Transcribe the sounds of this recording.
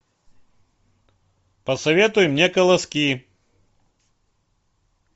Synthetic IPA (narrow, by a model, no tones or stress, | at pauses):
pɐsɐvʲet̪ʊjmnʲɛkɐlˠɐskʲi